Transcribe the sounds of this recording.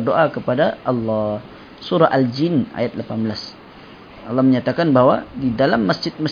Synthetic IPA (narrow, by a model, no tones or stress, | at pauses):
rdoʔakəpadaʔɑlːɑ | suɾaʔald͡ʒɪna̰jat̪̚lapanbəlas | ʔɑlːɑhməɲat̪akanbawa̰didalamːasd͡ʒɪt̪̚mas